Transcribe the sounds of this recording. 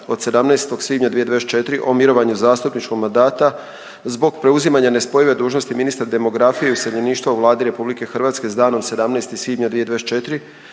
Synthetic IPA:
o̞d̪se̞d̪amnɛst̪o̞ɡsʋiːd̪ɲad̪ʋijed̪ʋest͡ʃe̞t̪ɾiʔo̞miɾo̞ʋaɲuzaːst̪upnit͡ʃko̞ɡmand̪aːt̪a | zbo̞ɡpɾe̞uzimaɲane̞spo̞jiʋe̞d̪uːʒno̞st̪iminist̪ɾad̪e̞mo̞ɡɾafijeuseʎeniːʃt̪ʋauʋlˠaːd̪iɾe̞publike̞xrʋaːt̪ske̞zd̪aːno̞mse̞d̪amnest̪isʋiːd̪ɲad̪ʋijed̪ʋet͡ʃe̞t̪ɾi

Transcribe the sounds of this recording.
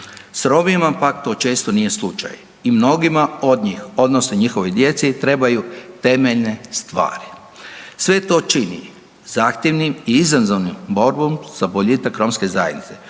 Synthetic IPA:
sɾo̞bimapakt̪o̞ːt͡ʃe̞ːst̪o̞nije̞slˠut͡ʃa̰j | imno̞ɡimao̞d̪ɲiːxo̞d̪nosnoɲixo̞ʋojd̪je̞t̪sit̪ɾe̞bajut̪e̞me̞ʎne̞st̪ʋa̰ːɾi | sʋe̞t̪o̞ːt͡ʃinḭ | z̥aːxt̪jeʋnimiizanzoʋnimbo̞ɾbo̞mz̥aboʎiːt̪akɾo̞mske̞zajed̪nit̪se̞

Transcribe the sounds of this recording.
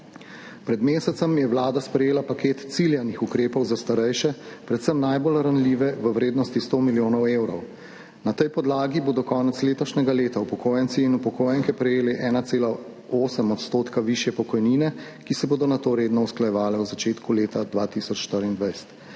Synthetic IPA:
pɾɛd̪meːsɛt̪səmjɛwlaːd̪aspɾɛjeːlapakeːt̪t̪siljanixukɾeːpɔwzast̪aɾɛjʃɛpɾɛt̪səmnajbolɾanliːʋɛʋəwɾeːd̪nɔst̪ist̪omiljoːnɔwewɾɔ̰w | nat̪ɛjpɔd̪laːɡiboːd̪ɔkɔːnɛt̪sleːt̪ɔʃnɛɡaleːt̪aupɔkoːjansiːnupɔkoːjɛŋkɛpɾɛjeːlɛʔɛːnat̪seːla | oːsəmɔt̪st̪oːt̪kaʋiʃjɛpɔkɔjniːnɛ | kisɛboːd̪ɔnat̪oːɾeːd̪nɔusklajɛʋaːlɛuzat͡ʃeːt̪kuleːt̪ad̪ʋaːt̪iːsɔt͡ʃʃt̪əɾind̪ʋajst̪

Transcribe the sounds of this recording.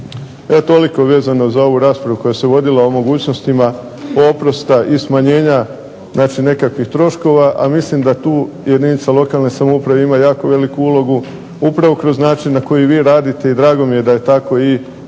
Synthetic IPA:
et̪o̞liko̞ʋe̞ːzano̞zao̞ʋuɾaːspɾaʋuko̞jase̞ʋo̞d̪ilaomo̞ɡuːt͡ɕno̞st̪ima | opɾo̞st̪aʔismaɲe̞ːɲa | znaːt͡ʃine̞kakʋixt̪ɾo̞ʃko̞ʋaʔa̰mislimd̪at̪uː | je̞d̪init̪salo̞kalˠnesamoupɾaʋeimajaːko̞ʋe̞likuulˠo̞ɡu | upɾaʋo̞kɾo̞znaːt͡ʃinːako̞jiʋiːɾaːd̪it̪e̞id̪ɾaːɡo̞mije̞d̪aje̞t̪ako̞i

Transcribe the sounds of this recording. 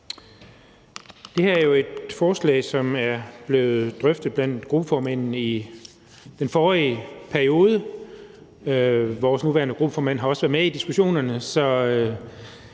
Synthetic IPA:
d̥e̝hæɐæɐjo̝e̝d̥fɒːslɛ̰ːɪsɒ̽mæɐb̥le̝ːð̩ˠd̥ʁœfd̥ð̩ˠb̥læn̰d̥ɡ̥ʁub̥əfɒːmæn̰n̩i | d̥enfɒːʁiːpʰæɐio̝ːð̞ˠə | ʋɒːsnuʋæɐnəɡ̥ʁub̥ə̥fɒːmæn̰ɦɑ̈ɒ̽sə̥ʋæɐðˠmeid̥isɡ̥uɕo̝̰ːnɐnəsɒ̽

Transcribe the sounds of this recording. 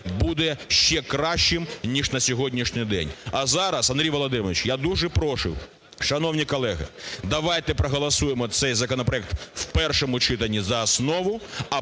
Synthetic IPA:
bud̪ɛʃt͡ʃɛkɾɑʃʲt͡ʃɪmnʲiʐnɐsʲɔɦɔdʲnʲiʃnʲɪjd̪ɛ̰nʲɐzɑɾɐsɐndɾʲijʋɔlˠɔd̪ɪmɔʋʲit͡ʃjad̪uʐɛpɾɔʃʊ̰w | ʃɐnɔwnʲikɔlˠɛɣɪ̰d̪ɐʋajt̪ɛpɾɐɦɐlˠɐsujemɔt̪sɛjzɐkɔnɔpɾɐɛk̚t̪wpɛrʃɔmʊt͡ʃɪt̪ɐnʲːizɐːsnɔʋʊɐ

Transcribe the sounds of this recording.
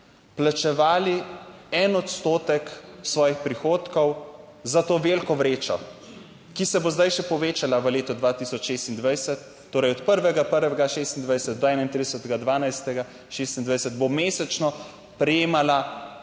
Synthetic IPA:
plat͡ʃɛʋaːliɛnɔt̪st̪oːt̪ɛksʋɔːjixpɾixoːt̪kɔw | zat̪oːʋelkɔʋɾeːt͡ʃɔ | kisɛbozd̪ajʃɛpɔʋeːt͡ʃalaʋəleːt̪ɔd̪ʋat̪isɔt͡ʃʃeːst̪ind̪ʋajsɛt̪ːoːɾɛjɔt̪pəɾʋɛɡapəɾʋɛɡaʃest̪ind̪ʋajsɛt̪̚d̪ɔɛnaint̪ɾid̪əsɛt̪ɛɡad̪ʋaːnajst̪ɛɡa | ʃest̪ind̪ʋajsɛt̪bomeːsɛt͡ʃnɔ | pɾɛjeːmala

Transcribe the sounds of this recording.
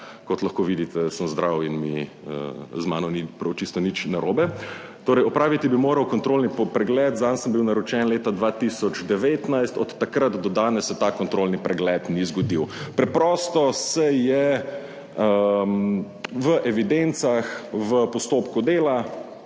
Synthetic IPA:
kɔt̪lɐxkoːʋid̪it̪ɛsəmzd̪ɾawinmḭ | ə̰zma̰ːnɔnipɾɐwt͡ʃist̪ɔnit͡ʃnaɾoːbɛt̪oːɾɛjɔpɾaːʋit̪ibimoːɾɐwkɔnt̪ɾoːlnipɾɛɡlɛːt̪zansəmbiwnaɾɔt͡ʃɛnleːt̪ad̪ʋaːt̪isɔd͡ʒd̪ɛʋeːt̪najst̪ɔt̪ːakɾət̪d̪ɔd̪aːnɛsːɛt̪akɔnt̪ɾolnipɾɛɡlɛt̪nizɡɔd̪iwpɾɛpɾɔːst̪ɔsɛjɛ | əm | ʋəʔɛʋid̪ent̪saxʋəpɔst̪oːpkud̪eːla

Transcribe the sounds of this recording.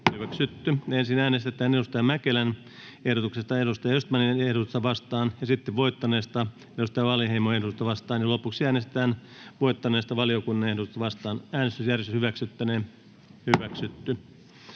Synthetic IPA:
hyʋæksyt̪ːyensinæːnest̪et̪æːnedust̪ɑjɑmækelæn | ehɾot̪uksest̪ɑedust̪ɑjɑjost̪mɑniehɾot̪ust̪ɑʋɑst̪ɑːnjɑsit̪ːeʋʋoit̪ːɑneːst̪ɑ | edust̪ɑjɑʋɑlheimoehdot̪ust̪ɑʋɑst̪ɑːnjɑlopuksiæːnest̪ĕ̥t̪æːn | ʋoit̪ːɑneːst̪ɑʋɑliokunːɑnehdot̪ust̪ɑʋɑst̪ɑːnæːnest̪ysjærʋest̪yshyʋæksyt̪ːæne | hyʋæksyt̪ːy

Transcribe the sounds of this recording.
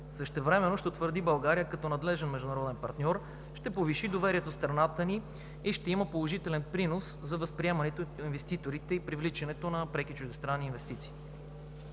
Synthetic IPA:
sɤʃt̪ɛvɾɛmɛnoʃt̪ɛot̪vəɾd̪ibɐlˠɡaɾijəkɐt̪ɔnɐd̪lɛʒɛnmɛʒd̪ʊnɐɾɔd̪ɛnpɐɾt̪nʲɔɾ | ʃt̪ɛpoviʃid̪ovɛɾiɛt̪ost̪ɾɐnat̪əniː | ʃt̪ɛiməpolˠoʒit̪ɛlɛnpɾinoszɐvəspɾiɛmɐnɛt̪oinvɛst̪it̪oɾit̪ɛipɾivlit͡ʃɛnɛt̪onɐpɾɛkit͡ʃʊʒd̪ɛst̪ɾanːiːnvɛst̪it̪si̥ː

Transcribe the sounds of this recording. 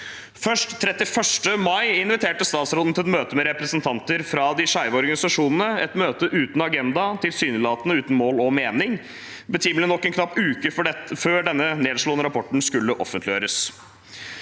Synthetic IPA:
fœʂʈt̪ʰːɾɛt̪ːɪfœʂʈəmɑɪɪnʋɪt̪ʰeːʈəst̪ɑːt̪sɾoːd̪n̩t̪ɪlɛt̪møːt̪əmɛɾɛpɾɛsənt̪ʰɑnt̪əɾfɾɑd̪ɪʂɑɪʋɔɾɡɑnɪsɑʂuːnənəɛt̪møːt̪əʔʉːt̪n̩ɑɡɛnd̪ɑt̪ʰɪlsyːnəlɑːt̪ənəʉːt̪n̩moːlɔmeːnɪŋ | bət̪ʰiːməlɪnɔkːɛnkʰnɑppːʉːkəføːɖɛnːəneːd̪ʂɭoːnəɾɑpʰɔʈːɳ̩skʉlːəʔɔfənt̪lɪjø̰ːɾəs

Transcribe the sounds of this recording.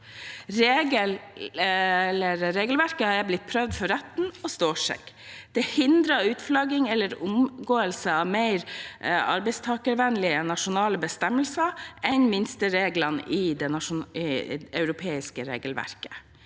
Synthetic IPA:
ɾeːɡəl | ɛlːəɾɾeːɡlʋæɾkəhɑɾjæɪblɪt̪̚pʰɾœʋd̪fɔɾɛt̪n̩ɔst̪oːʂɛ̰k | d̪̥ɛhɪnd̪ɾɑʉːt̪flɑɡɪŋɛlːəɾʊmɡoːəlsəɑʋmæɪɾɑ̰ɾbɛɪst̪ʰɑːkəɾʋɛnlɪənɑʂʊnɑːləbəst̪ɛməlsɑɛɲnmɪnst̪əɾeːɡlɑnʔɪd̪ɛnɑʂʊ | œʉɾʊpʰeːɪskəɾḛːɡəlʋæ̰ɾkə̥

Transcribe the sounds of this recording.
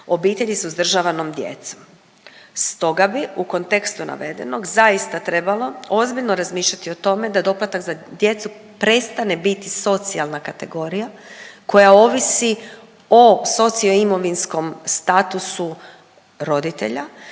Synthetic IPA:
o̞biːt̪e̞ʎisuzd̪r̩ʒaʋano̞md̪jḛt̪som | st̪o̞ɡabiuko̞nt̪ekst̪unʔa̰ʋe̞d̪e̞̰no̞ɡzaist̪at̪ɾe̞balo̞o̞zbiʎno̞ɾazmiːʃʎat̪io̞t̪o̞me̞d̪ad̪o̞plat̪akzad̪je̞t̪su | pɾe̞st̪ane̞bit̪iso̞t̪sialˠnakat̪e̞ɡo̞ɾijako̞jao̞ʋisi | oso̞t̪sioimo̞ʋinsko̞mst̪at̪usu | ɾo̞d̪it̪ḛʎa

